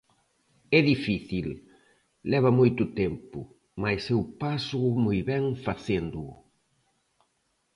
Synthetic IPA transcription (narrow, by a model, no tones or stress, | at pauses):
ɛðifiθilː | ɛβɐmojt̪ʊt̪ɛmpʊ | majsɛwpasʊʊmojβɛŋfaθend̪ʊʊ